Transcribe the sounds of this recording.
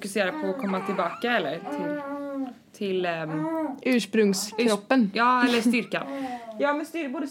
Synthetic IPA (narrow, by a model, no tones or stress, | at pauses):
fʊkɵseːɾapʰɔːkʰɔmːat̪ʰɪlbɑːkaɛlːəɾt̪ʰɪl | t̪ʰɪl | ʔʉ̟ːʂpɾɵŋskɾɔpːənjɑːɛlːəst̪ʏɾka̰njɑːmɛnst̪ʏboːd̪ə